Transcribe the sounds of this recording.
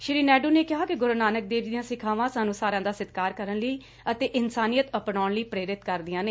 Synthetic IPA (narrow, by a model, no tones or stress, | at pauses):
ʃɪɾiːnɛːɖuːneːkɪɦaːkɪɡʊɾnaːnək̚d̪eːɾd̪ɪjãːsɪkʰaːʋãːsaːnũːsaːɾãːd̪aːsɪt̪kaːɾkəɾənləiː | ət̪eːʔɪnsaːnijət̪əpɽaːɽləiːpɾeːɾɪt̪kəɾd̪ɪjãːneː